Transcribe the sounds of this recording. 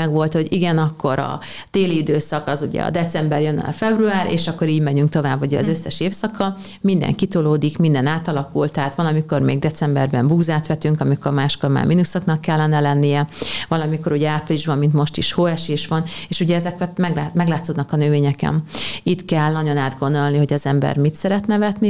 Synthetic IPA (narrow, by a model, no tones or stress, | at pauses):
ɛɡʋo̞lt̪ho̞ɟiɡɛnɒkːo̞ɾɒ̰ | d̪̥eːliid̪øːsɒkɒzuɟɛ̰ɒ̰d̪ɛt̪sɛmbɛrjon̰a̰lfɛbruaːɾʔḛːʃɒkːo̞ɾiːɟmɛɲyŋkt̪o̞vaːbːuɟɛɒ̰zø̞sːɛʃeːfsɒkɒ | mind̪ɛ̰ŋkit̪oloːd̪ikmind̪ɛnaːt̪ɒlɒkult̪ɛɦaːt̪ʋɒlɒmiko̞rmḛːɡ̚d̪ɛt̪sɛmbɛrbɛmbuːzaːt̪ʋɛt̪yŋkɒmiko̞rmaːʃko̞ɾma̰ːrminusoknɒkːɛlːɛnɛlɛnːijɛvɒlɒmiko̞ɾuɟɛaːpliʒbɒmːint̪mo̞ʃt̪iʃhoɛʃeːʃʋɒneːʃuɟɛɛzɛkʋɛt̪mɛɡamɛɡlaːt̪sod̪nɒkɒnøveːɲɛkɛ̰nit̪kɛlːnɒɟo̞naːd̪ɡo̞nd̪o̞lniho̞ɟɒzɛmbɛ̰rmit̪sɛɾɛt̪nɛvɛt̪ni